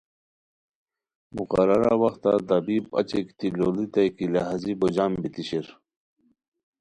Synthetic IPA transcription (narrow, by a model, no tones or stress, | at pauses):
muqɐɾɐɾa̰wɐxt̪at̪ɐbiːbɐ̰t͡ɕekt̪iloːlit̪ɐjkileɦazibod͡ʑaːmbit̪iɕiɾ